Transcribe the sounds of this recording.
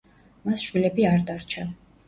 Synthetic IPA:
masʃwilɛbiaɾd̪aɾt͡ʃʰa

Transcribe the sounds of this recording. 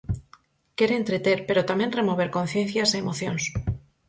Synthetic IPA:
ke̞ɾeːnt̪ɾet̪e̞ɾpe̞ɾot̪amje̞nre̞mo̞β̞e̞ɾko̞nθje̞n̟θjaseːmo̞θjons

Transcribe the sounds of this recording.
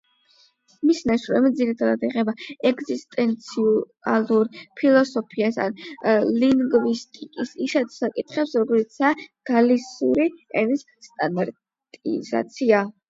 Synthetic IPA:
misnaʃɾɔɛmd̪ziɾit̪ʰad̪ad̪iʁɛbaɛɡzist̪ʼɛnt̪sʰiu | aluɾpʰilˠɔsɔpʰiasa̰nliŋɡvist̪ʼikʼisiʃat̪ʰsakʼit̪ʰχɛpsɾɔɡɔlit̪sʰaɡ̥alisṵɾiɛnis | st̪ʼand̪aɾ | t̪ʼḭza̰t̪sʰia

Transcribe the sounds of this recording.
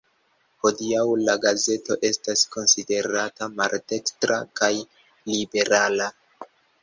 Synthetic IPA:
ho̞diawlaɡaze̞to̞ʔe̞stasko̞nside̞ɾatamaɾte̞kstɾakaj | libe̞ɾala

